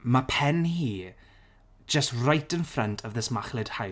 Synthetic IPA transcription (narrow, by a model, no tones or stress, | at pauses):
mapʰɛnhiː | d͡ʒəstrajtʰənfrəntʰavðəsmaχlˠɪd̥ha